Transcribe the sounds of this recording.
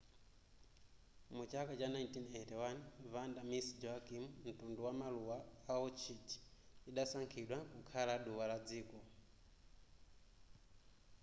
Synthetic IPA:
mut͡ʃakat͡ʃanajntinɛtɛwanvandamisd͡ʒɔakimum̩tunduwamaluwaːɔt͡ʃʰiti̥ | iɗasaŋkʰiɗwakukʰalaɗuwalad͡ziːkɔ

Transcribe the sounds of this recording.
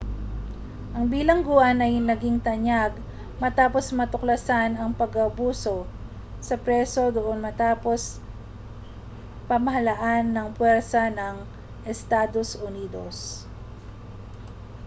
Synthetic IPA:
ʔɐŋbiːlɐŋɡʊʔɐnʔɐjnɐɡɪŋt̪ɐɲjaɡ | mɐt̪aːpo̞smɐt̪ʊklɐsanɐŋpɐɡɐbuːso̞ | sɐpɾɛso̞d̪oʔonmɐt̪aːpo̞s | pɐmɐɦɐlɐʔanːɐŋpwɛɾsɐnɐŋ | ʔɛst̪aːd̪o̞sʔʊniːd̪o̰s

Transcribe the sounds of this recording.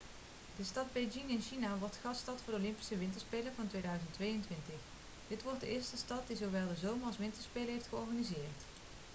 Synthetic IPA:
dəstɑd̚bejd͡ʒɪŋɪnʃinaʋɔɹtχɑstɑtfʊːdolɪmpi̥səʋɪntəɹspejləɹvɑntʋejdœɥzəntʋejəntʋɪntəχ | d̥ɪtʋɔɹt̚dəʔɪːɹstəstɑt̚dizowʋɛlˠdəzowməɹɑlˠsʋɪntəɹspejləɹɦejftχəɔɹχanizɪːrt

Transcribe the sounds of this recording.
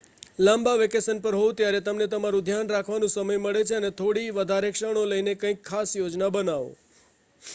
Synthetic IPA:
lãmbaʋekesənpəɾɦot̪jaɾet̪əmnet̪əmaɾũd̪ʱjanɾakʰʋanũsəməjməɭet͡ʃʰeənet̪ʰoɽiʋəd̪ʱaɾekʃəɳ̃oləjnekə̃ĩkʰːasjod͡ʒnabənaʋo̰

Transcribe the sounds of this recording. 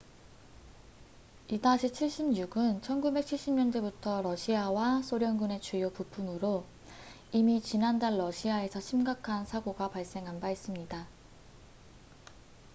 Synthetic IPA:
idaɕʰit͡ɕʰiɭɕ͈imɲuɡɯnt͡ɕʰʌnɡube̞k̚t͡ɕʰiɭɕ͈imɲʌndebutʰʌɾʌɕʰiawasʰoɾjʌŋɡune̞t͡ɕʰwejopupʰumɯɾo | imit͡ɕinandaɭːʌɕʰiae̞sʰʌɕʰimɡakʰansʰaɡoɡapaɭs͈e̞ŋɦanbais͈ɯmɲida

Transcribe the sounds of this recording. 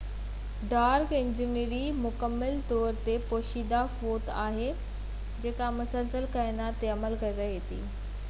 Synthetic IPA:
ɖaːɾkɪ̃ɲd͡ʑɪniɾimʊkəmːəlt̪ɔːɾt̪epoːʃiːd̪afoːt̪aːɦe | d͡ʑeːkamɐsəlsəlkaːɪnat̪eɐməlkɐiɾɐiɦet̪ḭː

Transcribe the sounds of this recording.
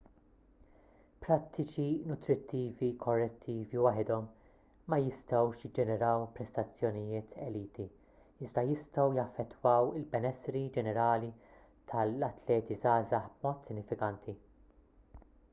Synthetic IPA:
pɾɐt̪ʰːɪt͡ʃinʊt̪ɾɪt̪ːiːvikʰɔrːɛt̪ʰːiːviwɐħɪd̪ɔmː | ɐjɪst̪ɐwʃjɪd͡ʒɛnɛɾɐwpɾɛst̪ɐt͡sːjɔnɪjɪːt̪ʰɛliːt̪i | ɪzd̪ɐjɪst̪ɐwjɐfːɛt̪ːwɐwɪlbɛnɛsɾid͡ʒɛnɛɾɐːli | t̪ʰɐlɐt̪lɛːt̪izɐːzɐħbmɔːt̪sɪnːɪfɪkɐnt̪ʰi

